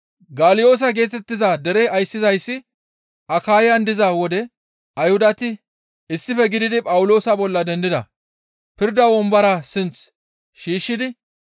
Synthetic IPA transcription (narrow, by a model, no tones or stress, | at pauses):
ɡaːlɪjo̞ːs̬ɐɡe̞ːt̪ɛt̪ːɪzɐd̪ɛɾɛɐjsːɪzɐjsːɪ | ɐkaːjɪjɐnd̪ɪzɐwɔd̪ɛ | ɐjhʊd̪ɐt̪ɪ | ɪsːɪfɛɡɪd̪ɪd̪ɪpʼɐwʊlo̞ːsɐbɔlːɐd̪ɛnd̪ɪd̪ɐ̰ | pɪɾd̪ɐwɔmbɐɾasɪnt͡s | ʃiːʃːɪd̪ɪ